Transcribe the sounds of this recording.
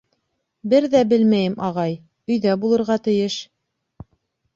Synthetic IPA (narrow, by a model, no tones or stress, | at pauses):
bɘɾðæbɘlmæjɘmʔɑʁɑj | ɵ̆jðæbulˠɤ̆ɾʁɑt̪ɘ̆jɘʃ